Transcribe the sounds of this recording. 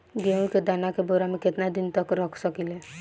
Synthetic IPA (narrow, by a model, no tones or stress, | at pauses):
ɡeũked̪anakeboɾameket̪nad̪int̪ɔkɾɔkʰsɔkile